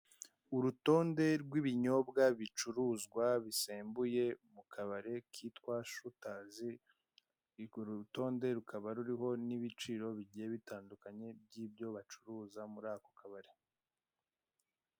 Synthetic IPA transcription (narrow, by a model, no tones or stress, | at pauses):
uɾuto̞ːnde̞ɾɡwiβiɲo̞bɡaβit͡ʃuɾuːzɡwaβiseːmbuje̞mukʰaβaɾe̞kʰiːtkwaʃutaːzi | ɾɡoɾuto̞ːnde̞ɾukʰaβaɾuɾiɦo̞niβit͡ʃiːɾo̞βiɟijeβitaːndukaɲe̞b̚jiːb̚jo̞βat͡ʃuɾuːzamuɾaːkokʰaβaɾe̞